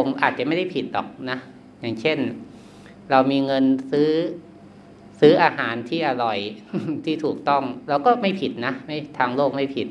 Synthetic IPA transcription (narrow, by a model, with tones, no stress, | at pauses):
o˧ŋʔa̰ː˨˩t̪̚t͡ɕa˨ma˥˩jda˥˩pʰi˨˩t̪̚dɔ̰ː˨˩k̚na˦˥ | jaː˨˩ŋt͡ɕʰe˥˩n | ɾa˧wmiː˧ŋɤ˧nsɯː˦˥ | sɯː˦˥ʔaː˧haː˩˦nt̪ʰiː˥˩ʔa˧ɾɔ˨˩jt̪ʰiː˥˩t̪ʰuː˨˩k̚t̪ɔ˥˩ŋɾa˧wkɔː˥˩ma˥˩jpʰi˨˩t̪̚na˦˥ma˥˩jt̪ʰaː˧ŋloː˥˩k̚ma˥˩jpʰi˨˩t̪̚